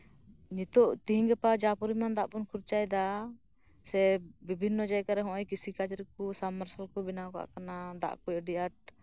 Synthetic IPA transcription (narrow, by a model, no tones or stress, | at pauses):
ɲit̪ɔʔt̪iɦiŋɡɛpad͡ʒapuɾimand̪aʔpɔnkʰuɾt͡ʃajd̪a | sɛbibʱinːɔd͡ʒaɛkaɾɛɦɔ̃ʔɔjkisikad͡ʒɾɛk̚usamːaɾsalkɔbinaka̰ʔkanad̪a̰ʔkɔjɖijaʈ̚